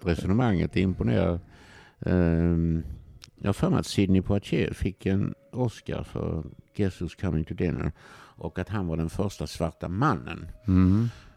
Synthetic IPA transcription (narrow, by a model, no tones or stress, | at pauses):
ɾɛsɔnəmaŋːət̪ɪmpʊneːɾa̰ | jʔɑ̰ːfaɾma̰t̪sɪd̪nɪpʰʊat͡ʃeːfɪkʰːɛn | ɔska̰ɾfœ̰ɾɡ̥ɛsʊskʰamːɪŋt̪ʰʊd̪ɛnə̰ɾʔɔkat̪ɦanvaɖɛnfœɾʂʈasvaɾʈamanːə̰n